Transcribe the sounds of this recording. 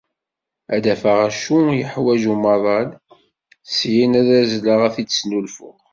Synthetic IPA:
æd̪æfəʁæʃujəħwæʒumɑðˤɑl | sjinæðæzləʁæθid̪snulfʊʁ

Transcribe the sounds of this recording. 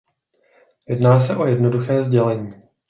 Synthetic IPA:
jɛdnaːsɛʔo̞jɛdnoduxɛːzɟɛlɛɲiː

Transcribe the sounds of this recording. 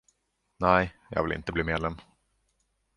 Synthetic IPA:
næɪjɑ̰ːvɪlɪ̰nt̪əbliːmeːd̪lɛm

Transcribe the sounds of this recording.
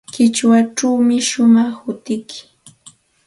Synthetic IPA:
kɪt͡ʃwaʈ͡ʂawmɪʃʊmɑχhʊt̪ɪkʰɪ̥

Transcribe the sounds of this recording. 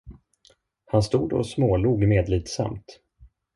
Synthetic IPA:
hanst̪uːd̪ɔ̰smoːluːɡmeːd̪liːt̪sa̰mt̪

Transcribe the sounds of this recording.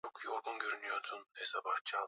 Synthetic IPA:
okʰjoɾbunɟøɾynyjot̪ʰunɛsabaht͡ʃʰa

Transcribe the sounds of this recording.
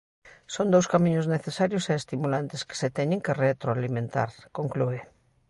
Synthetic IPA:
sond̪owskamĩɲozneθesaɾjoseest̪imulant̪eske̥set̪ɛɲeŋkeret̪ɾoalimẽnt̪a̰ɾkoŋklue

